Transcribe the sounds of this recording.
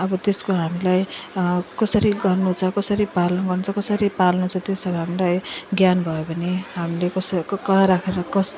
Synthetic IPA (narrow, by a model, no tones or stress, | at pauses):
ʌbʌt̪eskoɦamilaj | kʌsʌɾiɡʌrnut͡sʰʌkʌsʌɾipalʌnɡʌrnut͡sʰʌkʌsʌɾipalnut͡sʰʌt̪josʌbʌɦamilajɡjanbʱʌjopʌniɦamilekʌskʌaɾakʰeɾʌkʌs